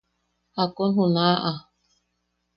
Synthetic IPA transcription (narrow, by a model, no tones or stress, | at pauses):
hakonɦunaʔa